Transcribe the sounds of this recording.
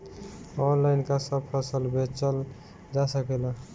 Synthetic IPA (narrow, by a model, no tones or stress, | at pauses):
ɔnlaɪnkasəbpʰəsəlbʱet͡ʃəl | d͡ʒasəkela